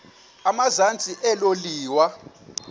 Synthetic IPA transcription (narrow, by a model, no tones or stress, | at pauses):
amazant͡sʼiʔɛloliːwa